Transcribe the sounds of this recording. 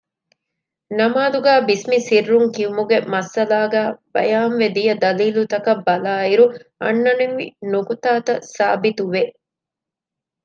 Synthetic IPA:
nɐmaːd̪uɡæːbismisirːuŋkiumuɡemɐsɐlaːɡæːb̥ɐ̰jaːmʋed̪ijɐd̪ɐliːlut̪ɐkɐbːɐlaːiɾuɐ̰nːɐneʋḭnukut̪aːt̪ɐsaːbit̪uʋe

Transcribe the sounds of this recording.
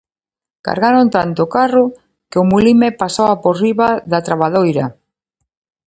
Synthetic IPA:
ka̰ɾɣaɾont̪ant̪ʊkarʊ | keʊmulimepasoaporiβaðat̪ɾaβaðojɾa

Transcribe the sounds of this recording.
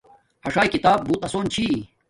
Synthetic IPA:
hɐʂaːjikit̪aːb̚buːt̪ɐsoːnt͡ɕʰi

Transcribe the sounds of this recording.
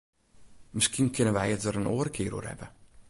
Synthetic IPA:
mɪskinkʰɪnənʋɛjət̚dəɾənʔoːəɾkʰɪːɾo̰ːrhɛ̰bə

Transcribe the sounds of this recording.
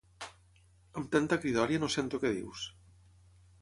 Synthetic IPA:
əmt̪ant̪akɾiðɔɾjanosent̪okeðḭws

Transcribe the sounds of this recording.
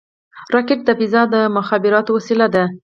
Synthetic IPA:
ɾɑkeʈ̚d̪abizɑd̪əmʊxɑbɪɾɑt̪owasilad̪a

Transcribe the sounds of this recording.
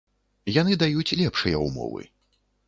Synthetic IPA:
janɨd̪ajut͡sʲlʲɛpʂɨjɐ̰umɔ̰vɨ̰

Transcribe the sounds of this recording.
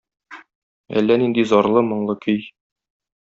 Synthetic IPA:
æ̰lːænind̪izɒɾlˠɤmŏɴlˠɤkʰɵj

